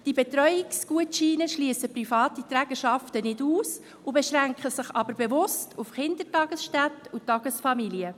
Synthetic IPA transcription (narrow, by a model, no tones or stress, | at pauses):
d̥ibetɾœʏɪksɡ̥uətʃiːnəʃliəsəprifɑːtitɾæːɡ̥əʃɑftənɪduːs | ubeʃɾæŋkχəsɪχɑbəɾbevʊstʰufχɪnd̪ətɑːɡ̥əsʃtætutɑɡ̥əsfɑmiliə